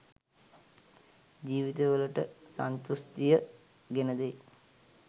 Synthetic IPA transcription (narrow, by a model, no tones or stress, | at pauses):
d͡ʑiːʋit̪eʋələʈə̰sa̰nt̪ust̪ijə | ɡenəd̪ej